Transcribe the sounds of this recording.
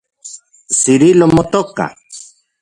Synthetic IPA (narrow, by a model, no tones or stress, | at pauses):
siɾilomot̪oka̰